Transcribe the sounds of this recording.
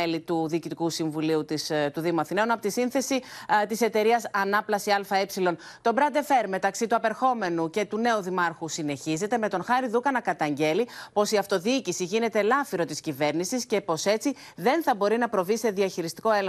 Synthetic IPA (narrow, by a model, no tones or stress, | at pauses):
elit̪uðiːcit̪ikusiɱvuliut̪ist̪uðimɐθineunɐpo̞t̪isinθe̞sit̪ise̞t̪e̞ɾiɐsɐnɐplɐsiɐlfɐepsilo̞n | t̪o̞bɾɐnd̪e̞fe̞ɾme̞t̪ɐksit̪uɐpe̞ɾxo̞me̞nuce̞t̪une̞uðimɐɾxusine̞çize̞t̪eme̞t̪o̞nxɐɾiðukɐnɐkɐt̪ɐɲɟe̞lipo̞siɐft̪o̞ðiːcisiʝine̞t̪e̞lɐfiɾo̞t̪iscive̞ɾnisisce̞po̞se̞t͡si | ðe̞nθɐbo̞ɾinɐpɾo̞vise̞ðiɐçiɾist̪i̥ko̞el